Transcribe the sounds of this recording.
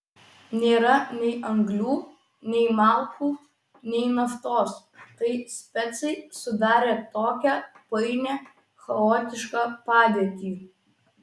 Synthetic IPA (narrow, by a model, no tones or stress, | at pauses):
nʲeːɾɐnʲɛɪʔɐŋɡlʲuː | nʲɛɪmɑːlˠt̪uː | nʲɛɪnɐft̪oːs | t̪ɐɪsʲpʲɛt̪sɐɪsʊd̪ɑːɾʲeːt̪oːkʲæːpɐɪnʲeː | xɐoːt̪ʲɪʃkɑːpɑːd̪ʲeɛt̪ʲiː